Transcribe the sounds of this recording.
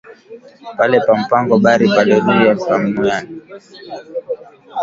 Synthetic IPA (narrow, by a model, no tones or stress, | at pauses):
palɛpam̩paŋɡɔɓaɾipalɛɗuaam̩mujani